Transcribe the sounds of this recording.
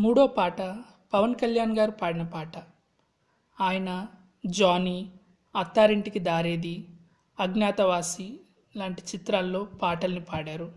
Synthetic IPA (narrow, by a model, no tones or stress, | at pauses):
muːɽoːpaːʈɐ | pɐʋɐnkɐljaːnɡaːɾupaːɽinɐpaːʈɐ | aːjɐnɐ | d͡ʒaːni | ɐt̪ːaːɾiɳʈikid̪aːɾeːd̪i | ɐɡnjaːt̪ɐʋaːsi | laːɳʈi̥t͡ʃit̪ɾaːlːo̞ːpaːʈɐlnipaːɽaːɾu